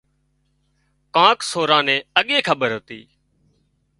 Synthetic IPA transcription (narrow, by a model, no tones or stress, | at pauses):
kãːksoːɾãːnẽːəɠẽːkʰəɓəɾɦoːt̪ḭː